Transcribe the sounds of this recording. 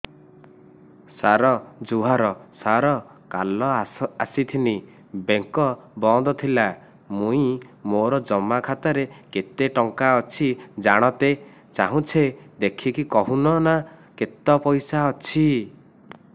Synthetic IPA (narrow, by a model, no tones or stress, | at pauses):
saɾɔd͡ʒuɦaɾɔsaɾɔ | kalɔasit̪ʰini | beŋkɔbɔd̪ɔt̪ʰila | mũĩmoɾɔd͡ʒɔmakʰat̪aɾeket̪eʈɔŋkaɔt͡ʃʰid͡ʒaɽ̃ɔt̪e | t͡ʃaɦũt͡ʃʰed̪ekʰikikɔɦunɔnaket̪ɔpɔjsaɔt͡ʃʰi